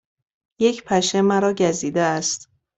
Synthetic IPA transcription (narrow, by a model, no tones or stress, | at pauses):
je̞cʰpʰæʃemæɾɒːɟæziːd̪eæst̪